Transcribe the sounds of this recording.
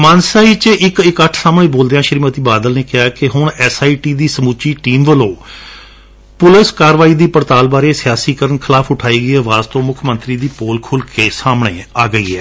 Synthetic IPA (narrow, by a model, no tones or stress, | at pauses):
mãːnsaːit͡ʃʔɪkɪkəʈʰsaːmɳeːboːld̪eːãːʃəɾimət̪iːbaːd̪əlneːkɪjaːkɪɦʊɳɛːsaːiːʈiːd̪iːsəmuːt͡ʃiːʈiːmʋəlõː | pʊlɪskaːɾʋaːiːd̪iːpəɾt̪aːlbaːɾeːsɪjaːsiːkəɾəɳkʰɪlaːfʊʈʰaːiːɡɪːəʋaːzt̪õːmʊkʰmə̃nt̪ɾiːd̪iːpoːlkʰʊlkeːsaːmɳeːaːɡəḭːɛ̰ː